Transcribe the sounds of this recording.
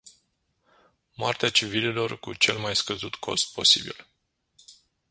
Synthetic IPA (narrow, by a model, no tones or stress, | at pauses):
moart̪eat͡ʃivilelo̞rkut͡ʃe̞lmajskəzut̪kʰo̞̰st̪̚pʰo̞sibḭl